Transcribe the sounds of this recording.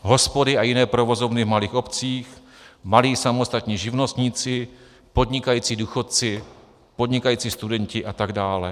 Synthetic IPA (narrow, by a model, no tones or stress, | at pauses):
ɦo̞spo̞dɪʔajɪnɛːpɾovo̞zo̞vnɪvmaliːxo̞pt͡siːx | maliːsamost̪at̪ɲiːʒɪvno̞st̪ɲit͡sɪ | po̞dɲɪkajiːt͡siːduːxot̪̚t͡sɪ | po̞dɲɪkajiːt͡sist̪udɛɲcɪʔat̪aɡdaːlɛ̰